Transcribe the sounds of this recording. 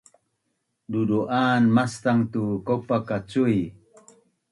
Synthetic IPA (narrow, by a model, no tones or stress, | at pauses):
duduʔaːnmast̪aŋt̪ukopakat͡suj